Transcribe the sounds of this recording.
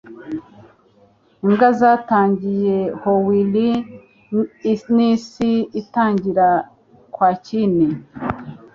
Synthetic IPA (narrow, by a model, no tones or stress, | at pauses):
iŋɡazaːtaːɲɟijehowili | nisiitaːɲɟiɾa | kwaːcine